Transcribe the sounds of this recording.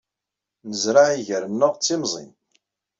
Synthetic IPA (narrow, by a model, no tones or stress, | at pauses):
nəzɾaʕiʝəɾəmnəʁt͡sːimzˤḭn